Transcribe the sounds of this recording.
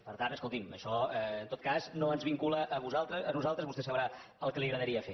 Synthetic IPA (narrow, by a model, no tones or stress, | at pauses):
pəɾt̪anəskulˠt̪imə̰ʃɔəːnt̪ot̪kaznoənzβiŋkuləʔəβuzalˠt̪ɾəənuzalˠt̪ɾəzβust̪esəβɾa | əlˠkəliɣɾəðəɾiəfe